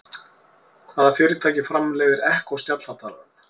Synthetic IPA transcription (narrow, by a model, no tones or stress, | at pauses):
haːðaɾfɪːɾɪt̪ʰaːjcɪfɾamlɛːɣvɪɾɛhkɔwst̪jat̪lat̪ʰaɾʏn